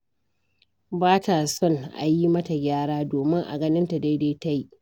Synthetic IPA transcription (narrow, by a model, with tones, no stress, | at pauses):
baː˦ta˨sɔ˦nʔa̰˨ji˦mɐ˦ta˨ɡʲaː˦ɽaː˦doː˨mɪ˦ŋʔa̰˨ɡɐ˦nɪ˦nta˨da˦da˦ta˦ji˦ʔ